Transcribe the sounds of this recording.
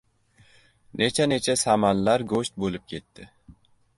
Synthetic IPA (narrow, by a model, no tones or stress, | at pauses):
nʔet͡ʃʰanet͡ʃʰasamanlaɾɡoʃt̪̚bolˠɪp̚kʲʰe̞t̪ːɪ